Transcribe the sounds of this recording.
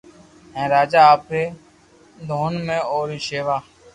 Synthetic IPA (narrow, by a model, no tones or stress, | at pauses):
ɦɛ̃ːɾaːd͡ʒaːaːpɾeː | d̪ʱoːnmẽːoːɾiʃeːʋaː